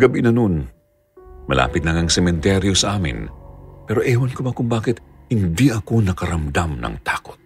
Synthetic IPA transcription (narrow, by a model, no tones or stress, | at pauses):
ɡɐbinɐnon | mɐla̰ːpɪt̪nɐŋɐŋsɛmɛnt̪ɛɾjo̞sɐʔaːmɪ̰npɛːɾo̞ʔɛːwɐnkobɐkʊŋbaːkɪt̪̚hɪnd̪iʔɐko̞nɐkɐɾɐmd̪amnɐ̰ŋt̪aːko̥t̪̚